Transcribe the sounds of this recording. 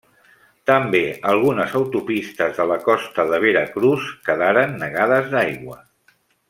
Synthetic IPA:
t̪əmbeəlˠɣ̞unəzəwt̪upist̪əzðələkɔst̪əðəβ̞eɾəkɾuskəðaɾənːəɣaðəzðajɣwə

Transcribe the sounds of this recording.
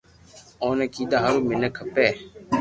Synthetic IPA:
ɔːneːkiːd̪aːɦəɾuːmɪnɛːkʰəpɛː

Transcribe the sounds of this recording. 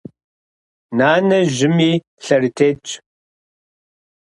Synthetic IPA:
naːnɐʒɪmiː | ɬɐrtʰeːt͡ʃʼ

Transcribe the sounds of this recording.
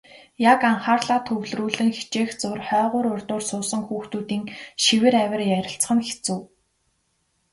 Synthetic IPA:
jakaɴχaːrɮaːt̪ʰɵwɮruːɮɘ̆ŋxe̥t͡ɕeːxt͡sʊrχœːʁʊːɾʊrʲt̪ʊːrsʊːsə̆ŋxuːxt̪uːt̪iːŋʃiwɘ̆ɾæwʲɪ̆rjæɾʲɪ̆ɬt͡sχə̆nxe̥t͡sŭː

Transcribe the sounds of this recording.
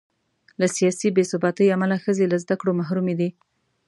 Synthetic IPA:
lasijɑsibesʊbɑt̪əjamalaxəzelazd̪akɽomaɦɾumed̪i

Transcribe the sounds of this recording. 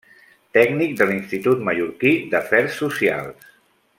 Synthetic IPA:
t̪ɛɡnik̚d̪əlinst̪it̪ut̪məʎuɾkid̪əfɛɾsːusia̰lˠs

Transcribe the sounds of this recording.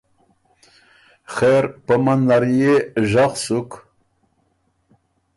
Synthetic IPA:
χeɾpəmanːaɾjeʒaχsuk

